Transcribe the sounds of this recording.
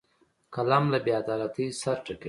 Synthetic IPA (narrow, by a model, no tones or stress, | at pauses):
kalɑmlabead̪ɑlat̪isaɾʈake